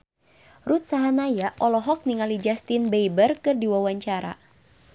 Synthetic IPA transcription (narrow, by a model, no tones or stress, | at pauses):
rut̪̚saɦanajaʔɔlɔɦɔk̚niŋalid͡ʒast̪inbejbərkɨrdiwawaɲt͡ʃaɾa̰